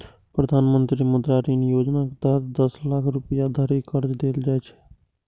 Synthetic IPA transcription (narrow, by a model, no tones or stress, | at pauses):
pɾəd̪ʱaːnmənt̪ɾiməd̪ɾaɾinijod͡ʒnaked̪əɾd̪əslakʰɾupəjad̪ʱəɾikəɾd͡ʒd̪eld͡ʒajt͡ʃʰɛ̥